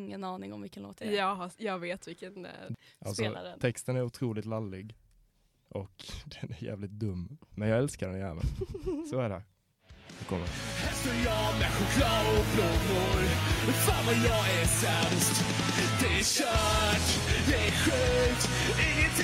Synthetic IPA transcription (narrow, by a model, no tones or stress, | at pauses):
ŋːənɑːnɪŋɔmvɪkːənlo̰ːt̪ʰaɑhjɑːɡveːt̪vɪkənʔa̰lsɔa̰ɾʰɛkst̪ənæɾʊt̪ʰɾuːlɪt̪lalːɪɡ | ʔɔkd̪ɛnæɾjæ̰ːvlɪt̪̚d̪ɵmːmɛnjɑːɡɛlskaɾɛnjɛ̰ːvə̰nsɔæɖɛ | d̪ɛkʰɔmːə̰ɾhɛsəjɑmɛɧʊkʰlɑːʊɡbloːɡʊɾfavajɑɛsɛmst̪d̪ɛæʃœː | ʈ | d̪ɛæɧʉːt̪ | ɪŋːənt̪